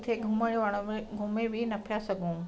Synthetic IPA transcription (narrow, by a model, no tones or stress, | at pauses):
t̪ʰeɡʱʊməɽjoʋaɽ̃oɡʱʊmebʱɪnɐpʰijasɐɡʱũː